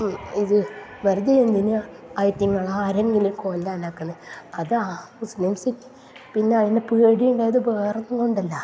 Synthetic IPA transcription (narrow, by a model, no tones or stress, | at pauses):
iðɨʋɐɾud̪ɐend̪inɨ | ɐjtːiŋːɐɭaːɾeŋɡilukond̪aːnaːkːunːɐɨɐðɨa | usnemsitː | pinːeɐðinepeːɽijuɳɖajɐðɨbeːrɐnːuŋɡoɳɖɐlːɐ